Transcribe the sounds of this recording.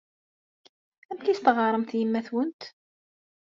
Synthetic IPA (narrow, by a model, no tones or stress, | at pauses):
æmkijst̪əʁɑɾˤəmθjəmːæθwənt̪